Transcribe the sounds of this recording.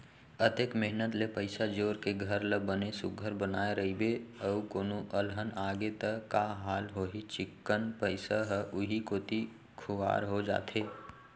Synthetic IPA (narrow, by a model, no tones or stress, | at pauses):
ət̪ekmɪɦnət̪lepəɪsad͡ʒoːɾkeɡʱəɾləbənesʊɡʱəɾbənaːeɾɐɦibeɐukoːnoʔəlɦənaːɡet̪əkaɦaːlɦoːɦit͡ʃɪkːənpəɪsaɦəʔʊɦikoːt̪i | kʰʊa̰ːɾɦod͡ʒa̰ːt̪eː